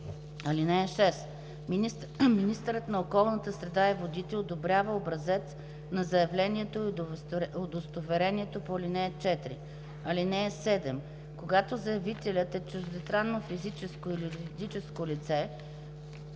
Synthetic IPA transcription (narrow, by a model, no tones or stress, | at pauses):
ɐlinɛːʃɛs | minist̪əɾət̪nɐokɔlˠnət̪əsɾɛd̪aɛvod̪it̪ɛod̪obɾʲjavəobɾɐzɛt̪s | nɐzɐjɐvlɛniɛt̪o | od̪ost̪ovɛɾɛniɛt̪opolinɛːt͡ʃɛt̪ɾḭ | ɐlinɛːsɛd̪ɛm | koɡat̪ozɐjɐvit̪ɛlʲət̪ɛt͡ʃuzd̪ɛst̪ɾanːofizit͡ʃɛskoilid̪it͡ʃɛskolit̪sɛ